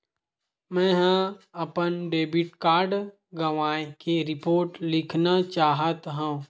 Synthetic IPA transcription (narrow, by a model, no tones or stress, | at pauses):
mɛ̃ːɦə̃ɐpənɖeːbɪʈkaːɾɖ | ɡɐʋaːekeɾɪpoːɾʈlɪkʰnat͡ʃaːɦət̪ɦũː